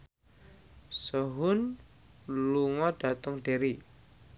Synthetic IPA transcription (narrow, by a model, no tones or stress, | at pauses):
səɦʊn | luŋɔɖ̥a̤t̪əŋɖ̥e̤ɾi